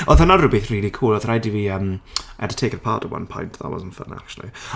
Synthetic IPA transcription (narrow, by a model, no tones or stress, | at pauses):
ɔðənarubiθriːlˠikʰuːlˠɔðəɾajdiviəmʔɛ̰də̥tʰeːkəɾpʰaːtəvwã̰npʰɔ̰̃ɪ̃ntða̰lˠɔ̰zə̃nfə̰na̰a̰k̚t͡ʃulˠḭ